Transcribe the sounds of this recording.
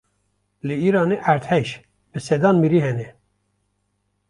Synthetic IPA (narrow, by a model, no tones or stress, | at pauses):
lɨiɾɑːneʔæɾt̪hɛʃ | bɨsɛd̪ɑːnmiɾiɦɛnɛ